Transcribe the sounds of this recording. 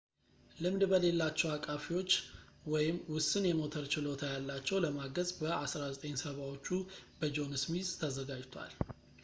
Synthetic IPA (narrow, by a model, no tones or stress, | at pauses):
lɨmd̪bəle̞lːat͡ʃːɛwakʼafiwo̞t͡ʃːwɔjɪmwʊsːɨnjɛmo̞t̪ʰəɾt͡ʃɪlo̞t̪ʰajalːat͡ʃːɛwləmaɡəzbəʔasɾazət̪ʼeɲsəβawo̞t͡ʃːubəd͡ʒo̞nɨsmizʼt̪ʰəzəɡad͡ʒt̪ʰa̰l